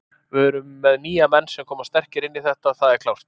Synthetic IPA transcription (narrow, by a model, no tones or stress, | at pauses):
vʏɾʏmːɛðniːamɛnːsɛmkʰɔːmast̪ɛr̥cɪɾɪnːiθɛht̪aθaðɛɾkʰlawst̪